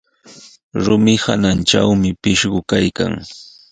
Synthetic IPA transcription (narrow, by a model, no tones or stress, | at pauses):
ɾʊmɪha̰nant͡ʃawmɪpɪʃɢʊkajka̰ŋ